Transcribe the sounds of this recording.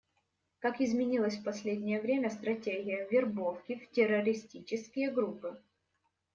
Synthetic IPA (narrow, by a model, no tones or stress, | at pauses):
kakɪzmʲɪnʲilˠəsʲfpɐsʲlʲedʲnʲɪjəvɾʲemʲəst̪ɾɐtʲeɡʲɪjəvʲɪrbofkʲɪftʲɪrːɐɾʲɪsʲtʲit͡ɕɪskʲɪjəɡɾupɨ